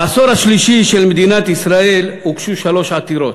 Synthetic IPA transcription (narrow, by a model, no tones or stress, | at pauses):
soɾaʃliʃiʃelmed̪inat̪isɾae̞lukʃuʃalo̞ʃat̪iɾot̪